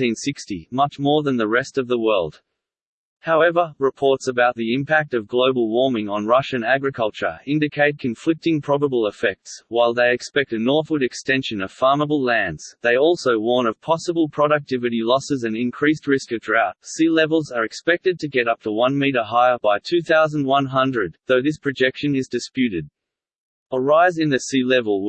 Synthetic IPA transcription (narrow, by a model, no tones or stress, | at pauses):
ĩnsɪkstimʌt͡ʃmɔɹðɨ̃nðəɹɛstʌvðəwɜ˞lˠd̥ | haʊɛvə˞ɹɨpʰɔɹtsəbaʊt̪̚ðiɨɪ̃mpʰæk̚tʌvɡloʊbl̩ˠwɔɹmɪ̃ŋə̃nɹʌʃɨ̃næɡɹɨkʰʌlˠt͡ʃə̰˞ɪ̃ndɨkʰeɪt̚kʰɨ̃ɱflɪk̚tɪ̃ŋpʰɹ̥ɑbəbəl̩ˠəfɛk̚tswaɪlˠðeɪɨkspɛk̚tɨnɔɹθwəɾɨkstɛ̃nʃɨ̃nʌv̥fɑɹməbl̩ˠlæ̃ndz̥ðeɪɔlˠsoʊwɔɹnʌv̥pʰɑsəbəl̩ˠpʰɹ̥ɑɾɨk̚tʰɪvɨɾilɔsɨzɨ̃nɨ̃nkʰɹ̥ist̚ɹɪskɨvdɹaʊt̚silɛvl̩ˠzə˞ɨkspɛk̚tɨd̚tʰɨɡɛɾʌp̚tʰəwʌ̃nmiɾə˞ɦaɪə˞baɪtʰʉθaʊz̃n̩d̚wʌ̃nɦʌ̃ndɹɨd̪̚ðoʊðɪspʰɹ̥ɨd͡ʒɛkʃɨ̃nɨzdɨspjʉɾɨd̚ | ə˞aɪzɨ̃nðɨsilɛvəl̩ˠ